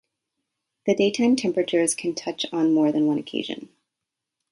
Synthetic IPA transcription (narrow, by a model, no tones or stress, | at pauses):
ðɨdeɪtʰãɪ̃mtʰɛ̃mpɹɨt͡ʃə˞z̥kʰɨ̃ntʰʌt͡ʃn̩mɔɹðɨ̃nwʌ̃nɨkʰḛɪʒɨ̰̃n